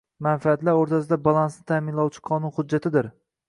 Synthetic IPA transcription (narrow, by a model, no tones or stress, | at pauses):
manfaat̪laɾoɾt̪ʰasɪd̪abalˠansnɪt̪ʰamɪnlˠɒwt͡ʃʰɪ̥qʰɒnʊnhʊd͡ʒːat̪ʰɪd̪ɪɾ